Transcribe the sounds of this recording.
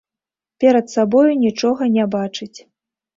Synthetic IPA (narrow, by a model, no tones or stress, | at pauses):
pʲɛɾɐt̪sabɔjunʲit͡ʂɔɣɐnʲabat͡ʂɨt͡sʲ